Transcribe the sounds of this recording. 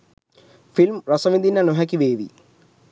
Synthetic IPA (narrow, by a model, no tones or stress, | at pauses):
filmrɐsɐʋind̪inːanoɦɛk̬iʋeːʋḭ